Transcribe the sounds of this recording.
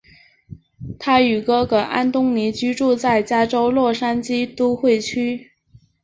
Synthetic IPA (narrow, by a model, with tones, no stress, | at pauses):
t̪ʰa˥y˨˩kɤ˥kɤ˧˩ʔa̰˥nt̪ʊ˥ŋni˧˥t͡ɕy˥ʈ͡ʂu˥˧t͡sa˥˩ɪt͡ɕja˥ʈ͡ʂo˥ʊlwɔ˥˩ʂa˥nt͡ɕi˥t̪u˥xwe˥˩ɪt͡ɕʰy˥